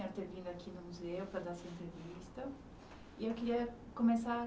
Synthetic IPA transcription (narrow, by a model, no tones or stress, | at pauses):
ɛɾt̪eɾvĩnd̪ʊɐkʰinʊmuzewpɾɐd̪aɾsɐẽnt̪ɾevist̪ɐ | iewkiɾiɐ | komesa